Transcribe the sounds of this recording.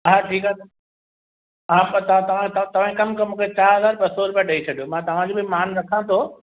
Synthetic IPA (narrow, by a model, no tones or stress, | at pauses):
ɦãʈʰiːkaː | ɦãt̪ɐãt̪ɐʋ̤ãt̪ɐt̪ɐʋ̤ãikɐmkɐmũːkʰet͡ɕaːɾɦɐzaːɾɓɐsɔɾʊpijaɗɐit͡ɕʰɐɗijomãːt̪ɐʋ̤ãd͡ʑoːbɪmaːnɾɐkʰãt̪ʰoː